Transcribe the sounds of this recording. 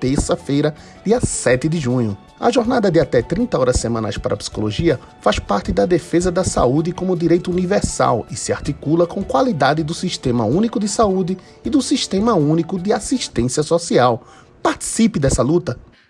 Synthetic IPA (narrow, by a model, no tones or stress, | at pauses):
t̪eɾsɐfejɾɐ | d̪iɐsɛt̪ɪd̪ɪʒũɲʊ | ɐ̰ʒoɾnad̪ɐd̪ɪat̪ɛt̪ɾĩnt̪ɐɔɾɐssemɐ̃na̰jspaɾɐpsi̥koloʒiɐ | faspaɾt̪ɪd̪ɐd̪efezɐd̪ɐsa̰ud̪ɪkõmʊd̪iɾejt̪ʊunivɛɾsa̰wɪsɪaɾt̪ikulɐkõkwalid̪ad̪ɪd̪ʊsiʃt̪ẽmɐ̰ũnikʊd̪ɪsaud̪ɪː | d̪ʊsiʃt̪ẽmɐũnikʊd̪ɪasiʃt̪ẽsiɐsosiaw | paɾt̪i̥sipɪd̪ɛsɐlut̪ɐ